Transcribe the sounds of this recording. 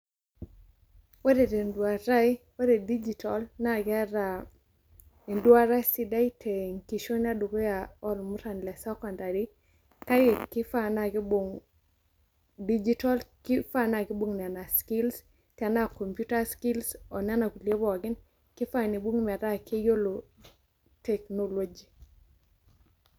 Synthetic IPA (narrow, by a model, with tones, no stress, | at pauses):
we˦ɾe˨de˨ndwa˨ɾa˦we˦ɾe˨di˦d͡ʒi˨tɔ˨lna˦˨ɡa˦ɾa˨ | e˨ndwa˦ɾa˦si˦da˦jtʰe˨ŋki˨ʃo˦n˦a˦do˨ɡo˦ja˨ɔ˦lmʊ˦ɾa˨nlɛ˨sɛ˦kɔ˨nda˨ɾi˦ | ka˦je˨kɪ˦fa˦na˨ɡi˦bo˨ŋ | di˦d͡ʒi˦tɔ˦lkɪ˦fa˦na˦˨ɡɪ˦bo˦˨ŋnɛ˨na˨skɪ˦ls | kɛ˨na˦˨ko˨mpju˦ta˦ski˦lsɔ˨na˦na˨ku˨li˦e˦bɔ˦˨a˨ɡɪ˦n | kɪ˦fa˦˨ni˨bwo˦ŋmɛ˨da˦ke˦jo˦lo˨ | te˨kno˦lwo˦d͡ʒi˨